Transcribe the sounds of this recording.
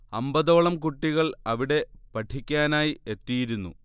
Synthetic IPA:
ɐmbɐðo̞ːɭɐmkuʈːiɣɐɭɐʋiɽe̞pɐʈʰikʲːaːnaːjie̞t̪ːijiɾunːu

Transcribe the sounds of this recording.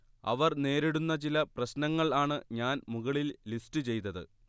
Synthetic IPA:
ɐ̰ʋɐrne̞ːɾiɽunːɐt͡ɕilɐprɐɕnɐŋːɐɭaːɳɨɲaːnmuɣɐɭilːistɨt͡ɕe̞jt̪ɐðɨ̰

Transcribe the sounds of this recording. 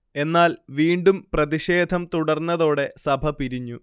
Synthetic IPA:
e̞nːaːlʋiːɳɖumprɐðiʂe̞ːd̪ʱɐmt̪uɽɐrnːɐðo̞ːɽe̞sɐbʱɐpiɾiɲːu

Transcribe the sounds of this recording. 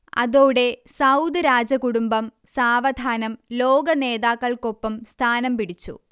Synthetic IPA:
ɐ̰ðoːɽe̞sɐwd̪ɨɾaːd͡ʑɐkuɽumbɐm | saːʋɐd̪ʱaːnɐmlo̞ːɡɐne̞ːðaːkːɐɭko̞pːɐmst̪ʰaːnɐmpiɽit͡ɕːṵ

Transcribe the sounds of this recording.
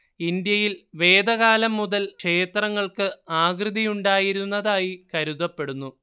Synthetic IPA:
ind̪jɐjilʋe̞ːd̪ɐɣaːlɐmːuðɐlkʂe̞ːt̪rɐŋːɐɭkɨaːɡrɨðijuɳɖaːjiɾunːɐðaːjikɐɾuðɐpːe̞ɽunːu

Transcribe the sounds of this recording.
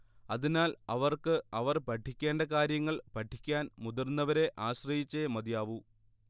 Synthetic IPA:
ɐðinaːlɐʋɐrkɨɐʋɐrpɐʈʰːikʲːe̞ːɳɖɐkaːɾjɐŋːɐɭpɐʈʰːikʲːaːnmud̪ɐrnːɐʋɐɾe̞ʔaːɕrɐjit͡ɕːemɐd̪ijaːʋu

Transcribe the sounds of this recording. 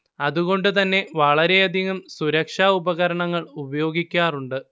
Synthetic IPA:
ɐðuɣo̞ɳɖɨt̪ɐnːe̞ʋɐɭɐɾe̞ɐd̪ʱiɣɐmsuɾɐkʂaːubɐɣɐɾɐɳɐŋːɐɭubɐjo̞ːɡikʲːaːruɳɖɨ

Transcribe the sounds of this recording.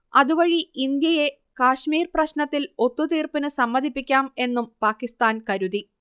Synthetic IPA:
ɐðuʋɐɻiind̪jɐje̞ | kaːɕmiːrprɐɕnɐt̪ːilo̞t̪ːut̪iːrpinɨsɐmːɐd̪ʱipːikʲːaːme̞nːumpaːkːist̪aːnkɐɾuði

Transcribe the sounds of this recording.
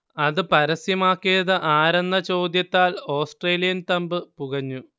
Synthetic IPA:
ɐðɨpɐɾɐsjɐmaːkːijɐðɨʔaːɾenːɐt͡ɕo̞ːd̪jɐt̪ːaːlo̞ːsʈreːlijɐnt̪ɐmbɨpuɣɐɲːu

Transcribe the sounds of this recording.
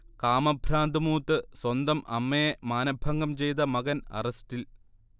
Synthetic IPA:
kaːmɐbʱɾaːnd̪ɨmuːt̪ːɨswɐnd̪ɐmʔɐ̰mːɐjemaːnɐbʱɐŋɡɐmt͡ɕe̞jt̪̬ɐmɐɣɐnɐ̰rɐstil

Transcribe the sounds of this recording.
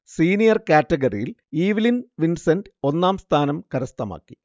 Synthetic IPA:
siːnijɐrkaːtːɐɡɐrḭjiliːʋilinʋinsɐndɨo̞nːaːmst̪ʰaːnɐmkɐɾɐst̪ɐma̰ːkːi̥

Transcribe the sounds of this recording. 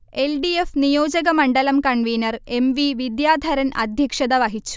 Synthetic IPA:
elɖiefnijoːd͡ʑɐɡɐmɐɳɖɐlɐmkɐɳʋiːnɐre̞mʋiʋid̪jaːd̪ʱɐɾɐnɐ̰d̪ʱjɐkʂɐd̪ɐʋɐɦit͡ɕːu̥

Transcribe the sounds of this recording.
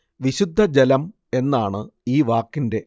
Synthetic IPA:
ʋiɕud̪ʱːɐd͡ʑelɐm | e̞nːaːɳɨiːʋaːkːinde̞

